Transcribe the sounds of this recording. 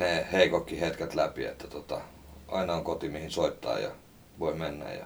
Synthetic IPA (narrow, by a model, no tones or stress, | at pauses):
neːˑheikokːihet̪kæt̪læpḭḛt̪ːæt̪ot̪ɑ | ɑinɑoŋkot̪imihinsoit̪ːɑ̰ːjɑ̰ | ʋoimenːæ̰jɑ̰